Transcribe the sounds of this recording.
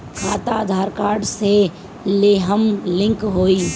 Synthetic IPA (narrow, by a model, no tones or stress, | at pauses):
kʰaːt̪ad̪ʱaːɾkaːɾɖse | leːɦəmlɪ̃ŋkɦoːiː